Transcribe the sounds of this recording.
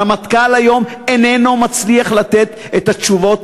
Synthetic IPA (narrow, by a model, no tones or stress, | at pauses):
amat̪kalajo̞menenomat͡sliaχlat̪et̪ | et̪at͡ʃuvo̞t